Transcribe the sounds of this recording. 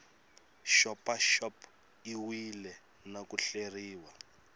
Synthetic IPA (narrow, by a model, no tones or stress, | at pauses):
ʃɔpaʃɔp | iwilɛ | nakuɬeriːwa